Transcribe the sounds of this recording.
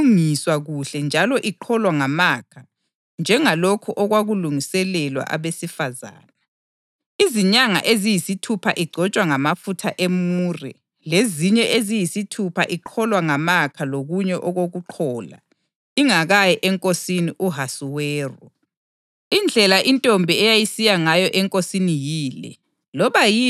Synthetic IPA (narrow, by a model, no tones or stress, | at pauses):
ŋiswaɣuɬɛnd͡ʒʱalɔʔiǃʰɔlwaŋamakʰa | nd͡ʒʱɛŋalokʰuʔɔɣwaɣuluŋisɛlɛlwa̰ʔa̰βesifaza̰ːna | iziɲaŋa̰ʔezijisitʰupʰaʔiɡ͡ǀʱɔt͡ʃʼwaŋamafutʰaʔemuːrɛ̰ | leziɲɛʔezijisitʰupʰa̰ʔiǃʰɔlwaŋamakʰaloɣuɲɛʔɔɣoɣuǃʰɔːla̰ | iŋaɣajɛʔɛŋkʼosiniʔuɦasuwɛːrɔ̰ | ind͡ɮʱɛlaʔintʼombʱiɛjajisijaŋajɔʔɛŋkʼosinijiːlɛ̰ | lɔβaji